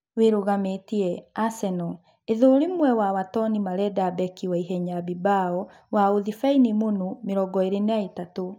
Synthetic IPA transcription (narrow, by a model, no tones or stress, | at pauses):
weɾoɣametiɛasɛnɔ | eðoːɾemwɛwawatɔnimaɾɛdabɛkiwaiɦɛɲabibaɔ | waoðifainimonomeɾɔɡɔeɾenaetato